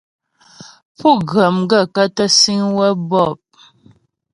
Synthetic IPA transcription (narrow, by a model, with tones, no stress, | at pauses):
pu˦˨ɣə˨mɡə˦˨ka˦tə˦si˦ŋwɛ˦bɔ˦˨p̚